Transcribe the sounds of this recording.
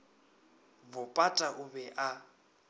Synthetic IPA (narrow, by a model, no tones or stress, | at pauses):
bʊpʼatʼaʔʊbɛʔa